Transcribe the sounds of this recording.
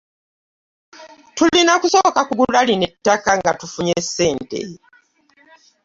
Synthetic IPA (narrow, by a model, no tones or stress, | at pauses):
tulinakuso̞kakuɡulalinetːakaŋɡatufuɲesːe̞ːnte̞̰